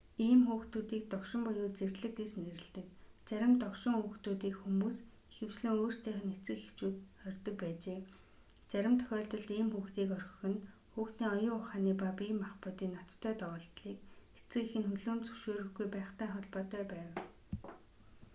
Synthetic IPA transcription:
iːmxuːxt̪uːt̪iːk̚t̪ɔkʃɪ̆mpɔjʊːt͡serɮɘ̆k̚ɡet͡ɕneɾɘ̆ɮt̪ɘ̆kt͡sæɾʲɪ̆mt̪ɔkʃɪ̆ŋuːxt̪uːt̪iːkxumuːs | exɘ̆w̥sɮɘ̆ŋoːr̥t͡ɕt̪ʰæːχə̆net͡sɘ̆kext͡ɕuːt̪ɔrʲt̪ɞ̆k̚pæːt͡ɕeː | t͡sæɾʲɪ̆mt̪ʰœ̥xʲɔːɮt̪ɞ̆ɮt̪iːmxuːxt̪iːkœrɞ̥̆xɘ̆n | xuːxt̪iːŋɔjʊːʊχaːniːpapiːmaχpʊːt̪iːnɔt̪t̪ʰːœːt̪ɔʁɔːɬt̪ɮiːke̥t͡sɘ̆kexɘ̆nxɵɮuːnt͡sɵ̥wʃoːɾɵ̆xɡujpæːχt̪æːχɔɮpɔːt̪œːpæːw

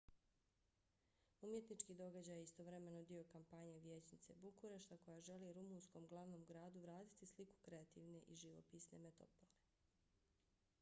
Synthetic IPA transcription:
umjet̪nit͡ʃkiːd̪o̞ɡad͡ʑajeist̪o̞ʋɾeme̞nod̪io̞kampaɲe̞ʋjeːt͡ɕnit̪se̞̰bukuɾeʃt̪ako̞jaʒe̞liɾumunsko̞mɡlˠaʋno̞ːmɡɾaːd̪uʋɾaːt̪i̥t̪isliku̥kɾe̞at̪ḭːʋne̞ʔiʒiʋo̰piːsne̞̰met̪o̰pole

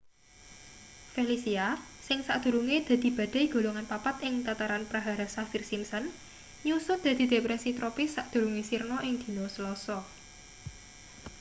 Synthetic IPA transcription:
felisiasɪŋsaʔd̪̥ṳɾuŋed̪̥ä̤d̪̥i̤b̥a̤d̪̥a̤iɡ̥o̤loŋanpapat̪ʔɪŋt̪at̪aɾanpɾaɦaɾasafirsimsən | ɲusʊd̪̥a̤d̪̥i̤d̪̥e̤pɾɛsit̪ɾopɪsaʔd̪̥ṳɾuŋesirnɔʔɪŋd̪̥i̤nosəlɔsɔ

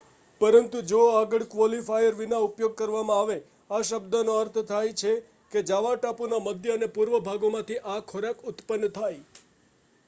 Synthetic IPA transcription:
pəɾənt̪ud͡ʒoaɡəɭkʋɔlifajəɾʋinaupjoɡ̚kəɾʋamãaʋe | aʃəbd̪anoəɾt̪ʰt̪ʰajt͡ʃʰe | ked͡ʒaʋaʈapunaməd̪ʱjəənepuɾʋəbʱaɡomãt̪ʰiʔakʰoɾakʊt̪pənːt̪ʰaj

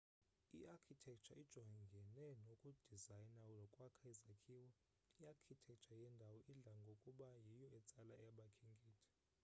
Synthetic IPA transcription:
ḭʔakʰitʰɛk̚ʰʼt͡ʃʰaid̥ʒ̥ʱɔaŋɡʱɛnɛnokʼud̥ʱizajnaulɔkʼwakʰaizakʰiːwɔ | iakʰitʰɛk̚ʼt͡ʃʰajɛndʱawɔʔiɮaŋɡʱokʼuɓajijɔɛt͡sʼalaɛaɓakʰiŋɡʱʼiːtʰi̥

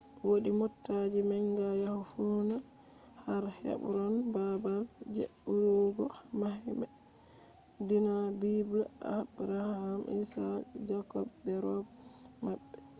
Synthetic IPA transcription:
woɗimɔtːad͡ʒimɛŋɡajahhuna | haɾhɛ̰ɓɾɔnbabald͡ʒḛɗuɾɔɡɔ | mahɛmɛ | dinabibəʔa̰bɾahhamʔḭsad͡ʒakɔbbɛɾɔb | maɓːɛ

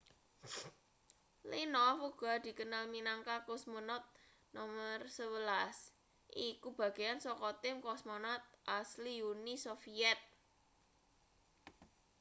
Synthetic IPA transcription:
linɔfuɡ̥ɔ̤d̪̥i̤kənalminaŋkakɔsmɔnɔt̪̚ | nɔmərsəwəlas | ʔikub̥a̤ɡ̥ejansɔkɔt̪ɪmkɔsmɔnɔt̪̚ʔasliunisofiɛt̪̚

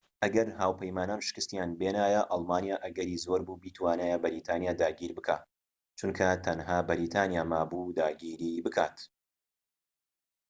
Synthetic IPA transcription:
ʔɐɡɐɾhaːwpʰɐjmaːnaːnʃɪ̥kɨst̪jaːnbenaːjɐʔɑlˠmaːnijaːʔɐɡɐɾiːzo̞ːɾbuːbiːt̪ʰwaːnajabɐɾiːt̪ʰaːnjaːd̪aːɡiːɾbɨkʰaː | t͡ʃunkʰɐt̪ʰɐnɦaːbɐɾiːt̪ʰaːnijaːmaːbuːd̪aːɡiːɾiːbɨkʰaːt̪

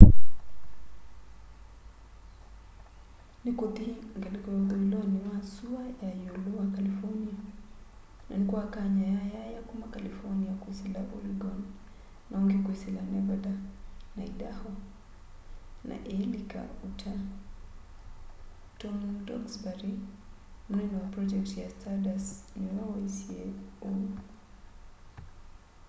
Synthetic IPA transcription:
nikut̪iiŋɡalikɔɔðɔilɔnimasuajajuluakalifɔnia | na̰nikuakaɲajajajakumakalifɔniakuisilaʔuɾiɡɔn | naɔŋɡikwisilanɛbadanaidahɔ | nʔa̰ʔɛlika̰utʰa | tɔndɔ̰ɡsbaɾi | m̩nɛniwapɾɔd͡ʒɛktijastʰadasnuasiɛɔ

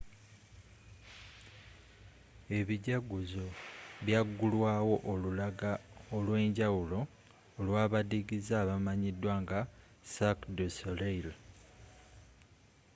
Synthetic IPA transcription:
e̞βiɟaɡuzoβjaɡːulwaːwo̞ʔolulaɡaolwe̞ːɲɟawulo̞ː | lwaːβadiɡizaːβamaɲidːwaŋɡa | sakdusoleil

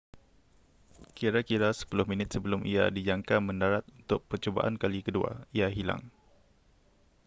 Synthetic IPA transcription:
kiɾakiɾasə̥pulʊhmĩnɪt̪̚səbəlʊmʔḭa̰did͡ʒaŋkamə̃ndaɾat̪̚unt̪ʊk̚pərt͡ʃoba̰ʔa̰nkalikədua̰iaɦila̰ŋ

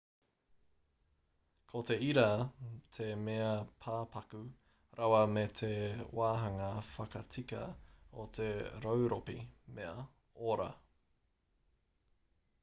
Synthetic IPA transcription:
kʰot̪e̞iɾɐt̪ʰe̞meɐpʰaːpʰɐkʉ | ɾawɐmet̪ʰewaːɦɐŋɐfɐkɐt͡sikɐ̰ot̪ʰe̞ɾowɾopimeɐ | oɾɐ̰

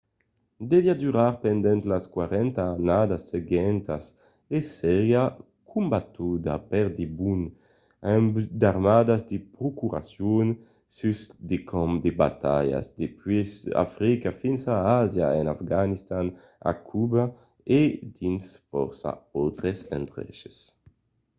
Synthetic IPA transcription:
d̪eviad̪yɾaɾpend̪ɛnt̪laskwaɾɛnt̪aːnad̪asːeɡɛnt̪as | esɛɾja | kʰumbat̪ud̪a̰pɛɾd̪ibun | ɛmbd̪aɾmad̪azd̪epɾokuɾa̰sjun | sysd̪ekʰɔmd̪eba̰t̪a̰ja̰zd̪epwisa̰fɾikafinsaazja̰enafɡanist̪an | a̰kʰuba | ed̪insfɔ̰ɾsa̰ɔwt̪ɾesɛ̰nt̪ɾɛ̰ʃe̥s

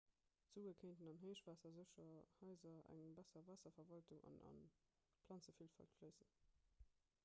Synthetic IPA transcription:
z̥uːəkʰeɪntənɑnɦeːʃvaːsɐzəʃɐhɑɪzɐæ̰ŋbæsɐvæːsɐfɐvɑltuŋɑ̰nɑ̰n | pʰlɑnt͡səfilfɑ̰ltfləɪzən

